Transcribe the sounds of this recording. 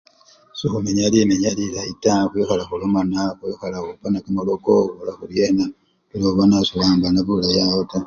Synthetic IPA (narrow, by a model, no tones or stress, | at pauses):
sixumeɲalimeɲalilaitaxujoxalaxulomanaxujoxalaupanakamalokoolaxuljena | uloβanasulaːmbanaβulajaota